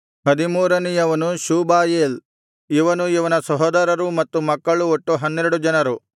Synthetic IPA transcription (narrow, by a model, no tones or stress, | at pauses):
hɐd̪imuːɾɐnijɐʋɐnuʃuːbaːjeːl | iʋɐnuiʋɐnɐsɐɦɔːd̪ɐɾɐɾumɐt̪ːumɐkːɐɭuoʈːuɦɐnːeɾɐɽud͡ʒɐnɐɾu